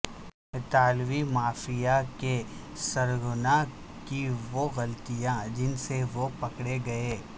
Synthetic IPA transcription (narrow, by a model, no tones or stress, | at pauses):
ɪt̪aːlʋimaːfijake | sɐɾɡʊna | kiʋoɣɐlt̪ijãd͡ʒɪnseʋopɐkɽeɡɐeː